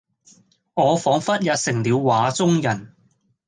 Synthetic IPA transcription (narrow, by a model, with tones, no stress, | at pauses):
ŋɔː˨˧fɔː˨˥ŋfɐ˥t̚jɐ˧t̚sɪ˨˩ŋliː˨˧wwaː˨˧t͡sʊ˥ŋjɐ˨˩n